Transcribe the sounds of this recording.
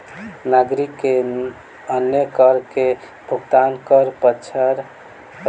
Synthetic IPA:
naɡɾikːe | ənjəkəɾke | bʱuɡt̪ankəɾpət͡ʃʰəɾ

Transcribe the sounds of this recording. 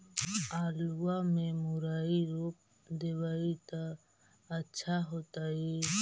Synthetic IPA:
aːluamẽmʊɾaːiɾoːp̚ | d̪ewaːit̪a | ətːʃʰaɦoːt̪ae

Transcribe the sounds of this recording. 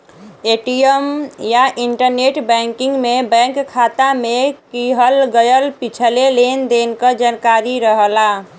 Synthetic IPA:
eʈiəmjaʔiɳʈəɾneʈbɛ̃ŋkĩŋɡmebɛ̃ŋkkʰːat̪amekiɦəlɡəjəlpit͡ʃʰəlelend̪enkəd͡ʒankaɾiɾəɦəla

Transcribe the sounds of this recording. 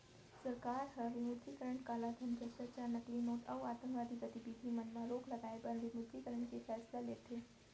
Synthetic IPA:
səɾkaɾɦəʋimud̪ʱikəɾəɳkalad̪ʰʱənd͡ʑəɕəɾt͡ɕanəklinoʈawat̪əmkʋaːd̪ʱiɡət̪ibid̪ʱimənmãɾoɡləɡaebənʋimud̪ʱjikəɾəɳkefɛslalet̪ʰe

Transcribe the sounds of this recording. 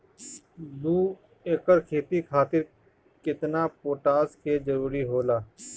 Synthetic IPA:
d̪uː | eːkəɾkʰeːt̪ikʰaːt̪ɪɾ | kɪt̪napoːʈaːskʰed͡ʒəɾuːɾiɦoːlaː

